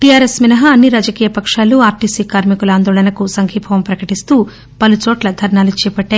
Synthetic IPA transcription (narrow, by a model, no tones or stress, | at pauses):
ʈijaːɾesminɐɦɐːnːiɾaːd͡ʒɐkiːjɐpɐkʂaːluaːɾʈiːsiːkaːɾmikulaːnd̪oːlɐnɐkusɐŋkʰiːpʰɐʋɐmpɾɐkɐʈist̪uː | pɐlut͡ʃɔːʈlɐd̪ʱɐɾɐɳaːlut͡ʃɛːpɐʈːaː